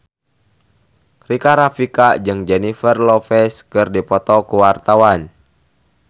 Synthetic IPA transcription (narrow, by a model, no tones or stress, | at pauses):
rikaɾafikad͡ʒɨŋd͡ʒɛnifərlɔfɛskɨrdipɔt̪ɔkuwart̪awan